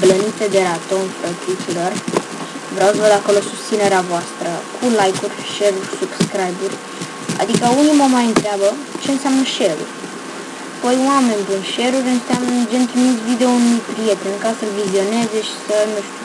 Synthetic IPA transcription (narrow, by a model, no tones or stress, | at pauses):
blənit̪ed̪e̞ɾat̪onfɾət̪ɾit̪silo̞r | vɾeawsəvəd̪ako̞lo̞sust̪sine̞ɾeavoast̪ɾəkʰulajkurʲʃe̞ɾurʲsub̥skɾajburʲ | a̰d̪ikəuniməmajɨnt̪ɾeabə | t͡ʃe̞ɨnseamnəʃe̞ɾṵrʲ | pojwame̞nʲpɨnʃe̞ɾuɾʲɨnseamnəund͡ʒe̞nt̪ɾumit̪sʲvid̪eonumijpɾije̞t̪e̞nʲkasəlvizio̞ne̞ze̞ʃi̥sənuʃt̪ʲu